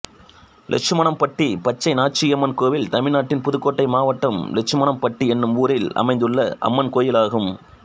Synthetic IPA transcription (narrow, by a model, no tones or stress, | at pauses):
lʔɛ̰t͡ʃɯmɐɳɐmpɐʈːipɐt͡ʃːɐɪnaːʈt͡ʃːijɐmːɐnkoːʋɪlt̪ɐmɪɻnaːʈːɪnpʊðɯkːoːʈːɐɪmaːʋɐʈːɐmlɛt͡ʃːɯmɐɳɐmpɐʈːiɛnːɯmuːɾɪlɐ̰mɐɪnd̪ɯɭːɐʔɐ̰mːɐnkoːjɪlaːɣɯm